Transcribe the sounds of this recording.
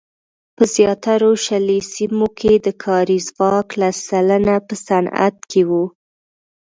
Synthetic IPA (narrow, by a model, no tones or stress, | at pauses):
pəzjɑt̪aɾoʃalesimokʰed̪əkʰɑɾizɣɑklasalənapəsana̰t̪̚kʰewu